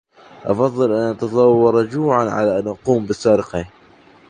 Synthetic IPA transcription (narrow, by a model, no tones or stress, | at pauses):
ʔɑfɑðˤːɨlʔanːʔat̪ɑsˤɑwːɑɾˤɑd͡ʒuːʕanʕa̰laʔanːʔɑquːmbɪsːaːɾɪqi